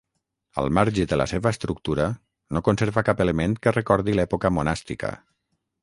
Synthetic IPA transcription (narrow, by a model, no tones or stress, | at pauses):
ə̰lˠmaɾʒid̪ələ̰seβəːst̪ɾuk̚t̪uɾə | nokonseɾβəkapeləment̪kərəkɔɾðilɛpukəmunast̪ikə̰